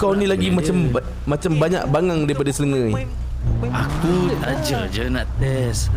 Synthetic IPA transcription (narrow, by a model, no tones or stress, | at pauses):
kawnĩlaɡimãt͡ʃam | mãt͡ʃambaɲa̰ʔ̚baŋaŋdaipadasələŋə̃j | akuad͡ʒəd͡ʒənaʔt̪ɛs